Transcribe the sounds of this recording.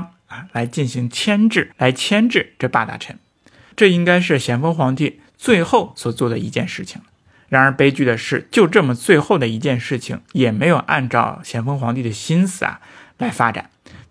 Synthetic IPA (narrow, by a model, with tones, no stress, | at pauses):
a˧˩la˧˥ɪt͡ɕi˥˩nɕi˧˥ŋt͡ɕʰjɛ˥nʈ͡ʂɻ̩˥˩la˧˥ɪt͡ɕʰjɛ˥nʈ͡ʂɻ̩˥˧ʈ͡ʂɤ˥˧pa˥˧t̪a̰˥˩ʈ͡ʂʰə̰˧˥n | ʈ͡ʂɤ˥˩i˥ŋka˥ɪʂ̬ɻ̩˥˩ɕjɛ˧˥nfɤ˥ŋxwɑ˧˥ŋt̪i˥˧ | t͡swe˥˧ɪxo˥˩ʊswɔ˨˩t͡swɔ˥˩d̪ə˩i˧˥t͡ɕjɛ˥˧nʂɻ̩˥˩t͡ɕʰi˨˩ŋ | ɻa˧˥nə˞˧˥pe˥ɪt͡ɕy˥˩d̪ə˩ʂɻ̩˥˧t͡ɕjo˥˧ʊʈ͡ʂɤ˥˩mə˩t͡swe˥˧ɪxo˥˩ʊd̪ə˩i˧˥t͡ɕjɛ˥˧nʂɻ̩˥˩t͡ɕʰḭ˩ŋjɛ˨˩me˧˥ɪjo˨˩ʊʔa̰˥˧nʈ͡ʂɑ̰˥˩ʊɕjɛ˧˥nfɤ˥ŋxwɑ˧˥ŋt̪i˥˩d̪ə˩ɕi˥nsɹ̩˨˧˩ɐ̰˨˩la˧˥ɪfa˥ʈ͡ʂa̰˨˩˦n